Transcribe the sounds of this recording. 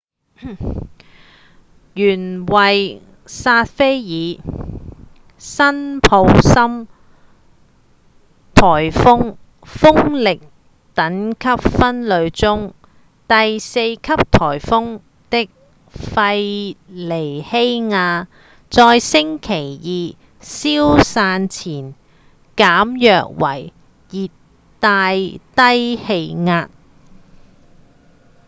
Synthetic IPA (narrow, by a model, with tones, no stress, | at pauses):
jyː˨˩nwɐ˨j | saː˧t̚fe˥jjiː˨˧ | sɐ˥npʰo˨˥wsɐ˥m | t̪ʰɔː˨˩jfʊ˥ŋ | fʊ˥ŋlɪ˨k̚ | t̪ɐ˨˥nkʰɐ˥p̚fɐ˥nlɵ˨˧ɥt͡sʊ˥ŋ | t̪ɐ˨jse˧jkʰɐ˥p̚t̪ʰɔː˨˩jfʊ˥ŋ | t̪ɪ˥k̚ | fɐ˧jle˨˩jhe˥jŋaː˧ | t͡sɔː˧jsɪ˥ŋkʰe˨˩jjiː˨˧ | siː˥wsaː˧nt͡sʰiː˨˩n | kaː˨˥mjœː˨˧k̚wɐ˨˩j | jiː˨t | t̪ːaː˧jt̪ɐ˥jhe˧jŋaː˧t̚